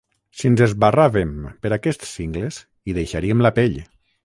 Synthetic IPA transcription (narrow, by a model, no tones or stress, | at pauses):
sinzezβaraβempəɾakɛst̪siŋɡlez | iðejʃaɾiemlapeʎ